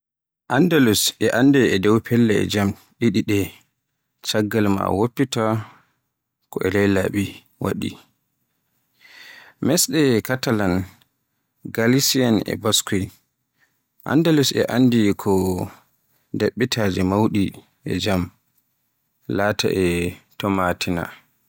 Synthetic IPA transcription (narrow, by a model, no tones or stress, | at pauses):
ʔandalusɛʔandɛɛdɛwpʰɛlːɛɛ̰d͡ʒam | ɗiɗiɗɛ | t͡ʃaɡːalma̰wopːita | kɔɛlɛjlaɓi | wa̰ɗḭ | mɛsɗɛkatalan | ɡalisianɛ̰baskuj | ʔa̰ndalusɛ̰ʔandikʰɔ | deɓːitʰad͡ʒimawɗi | ʔɛ̰d͡ʒam | lata̰ʔɛtɔmatʰina̰